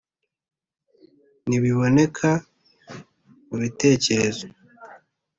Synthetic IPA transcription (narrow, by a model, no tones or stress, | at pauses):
niβiβo̞ne̞kʰa | muβite̞ːce̞ɾe̞zo